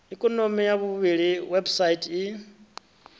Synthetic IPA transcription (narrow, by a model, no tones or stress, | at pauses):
ikʼɔnomijaβuβiɺiwɛbsaitʼi